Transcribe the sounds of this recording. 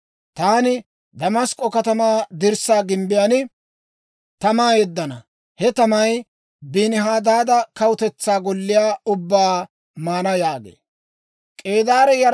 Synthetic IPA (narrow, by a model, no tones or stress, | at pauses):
t̪aːnɪ | d̪ɐmɐskʼːɔkɐt̪ɐmaːd̪ɪɾsaːɡɪmbɪjanɪ | t̪ɐmaːjɛd̪ːɐnɐ | hɛt̪ɐmɐj | biːnɪɦaːd̪aːd̪ɐkɐwʊt̪ɛt͡sːaːɡɔlːɪjaːʊbːaː | maːnɐjaːɡḛː | kʼe̞ːd̪aːɾɛjɐɾ